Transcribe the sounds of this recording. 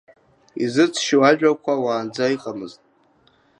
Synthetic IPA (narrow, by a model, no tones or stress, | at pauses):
izɨt͡sʰʃiwaʒᶣakʷʰawaːnd͡zaiqʼamɨztʼ